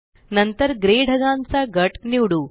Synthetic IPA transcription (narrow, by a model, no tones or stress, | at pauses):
nɐnt̪ɐɾɡɾeːɖʱɐɡaːnsaːɡɐʈniwɽu